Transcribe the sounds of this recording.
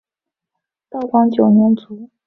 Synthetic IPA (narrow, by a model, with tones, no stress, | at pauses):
t̪ɑ˥˩ʊkwɑ˥ŋt͡ɕjo˨˩ʊnjɛ˧˥nt͡su˧˥